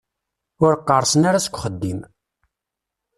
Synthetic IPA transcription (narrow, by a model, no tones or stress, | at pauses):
ʊɾəqːərˤsənaɾasə̥kʷːχəd̪ːim